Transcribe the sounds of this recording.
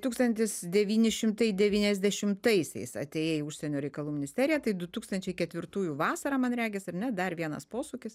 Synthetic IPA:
t̪uːkst̪ɐnʲt̪ʲɪsd̪ʲɛʋʲiːnʲɪʃʲɪmt̪ɐɪd̪ʲɛʋʲiːnʲɛzʲd̪ʲɛʃʲɪmt̪ɐɪsʲɛ̰ɪsɐ̰t̪ʲeːjeːjʊʃʲsʲɛnʲoːɾʲɛɪkɐlˠuːmʲɪnʲɪsʲt̪ʲæːɾʲɪjɛæt̪ɐɪd̪ʊt̪uːkst̪ɐnʲt͡ʃʲɛɪkʲɛt̪ʲʋʲɪrt̪uːjuːʋɑːsɐɾɑːmɐnɾʲæːɡʲɛsɐɾnʲɛd̪ɐrʋʲiɛnɐ̰spoːsuːkʲɪs

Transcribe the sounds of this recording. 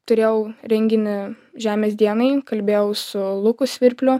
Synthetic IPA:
t̪ʊɾʲeːjɛʊɾʲɛŋʲɡʲɪnʲɪ | ʒʲæːmʲeːsd̪ʲiɛnɐɪkɐlʲbʲeːjɛʊsʊlˠʊkʊsʲʋʲɪɾʲpʲlʲʊ

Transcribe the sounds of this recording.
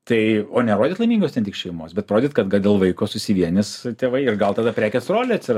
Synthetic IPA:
t̪ɐɪoːnʲɛɾoːdʲeːt̪lˠɐɪmʲiːŋɡoːst̪ʲɛnt̪ʲiːkʃʲɛɪmo̰ːsbʲɛt̪̚pɾoːd̪ʲeːt̪kɐt̪ɡɐlˠd̪ʲeːlˠʋɐɪkoːsʊsʲɪʋʲiɛnʲɪst̪ʲeːʋɐɪɪrɡɐlˠt̪ɑd̪ɐpʲɾʲæːkʲɛsroːlʲeɐt̪ʲsʲɪr

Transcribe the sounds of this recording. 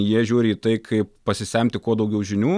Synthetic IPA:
jiɛʒʲuːɾʲɪiːt̪ɐɪkʰɐɪppɐsʲɪsʲɛmʲt̪ʲɪkuɔd̪ɐʊɡʲɛʊʒʲɪnʲuː

